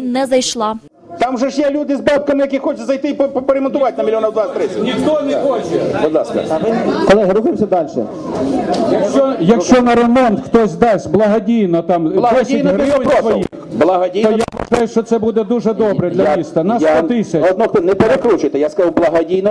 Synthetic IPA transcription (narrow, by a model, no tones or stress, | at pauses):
nɛzɐjʃlˠɑ | t̪ɑmʒɛʒjɛlʲud̪ɪzbɑb̚kɐmɪjɐkixɔt͡ʃɐzɐjt̪ɪippeɾɪmɔnt̪ʊʋɑat̚ʲnɐmʲilʲiɔnɐwd̪ʋat̪ɾɪsʲɛnʲixt̪ɔnexɔt͡ʃɛbɔd̪lˠɑskɐ̰kɔlˠɪɦɾuzɪmsʲɐd̪ɑlʲʃɛ̰ | jɐkt͡ʃɔjɐkʃt͡ʃɔnɐɾemɔnt̪xt̪ɔsʲd̪ɑsʲblˠɐɦɐdʲijnɔt̪ɑmlˠɐɔsʲiijnʲɾɪjɔʋɔjixblˠɐɦɐdʲit̪ɔjapɪzɑjɪʃt͡ʃɔt̪sɛbud̪ɛd̪uʒɛd̪ɔbɾɛd̪lʲɐmist̪ɐnɐsɔt̪ɪsʲɐɔd̪nɔxt̪ɔnɛpeɾekɾut͡ʃʊjt̪ɛjaskɐzawblˠɐɦɐdʲijnɐ